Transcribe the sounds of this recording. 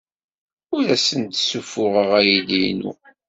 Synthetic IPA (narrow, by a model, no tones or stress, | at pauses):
ʊɾæsənt̪sufʊʁəʁæjilinʊ̰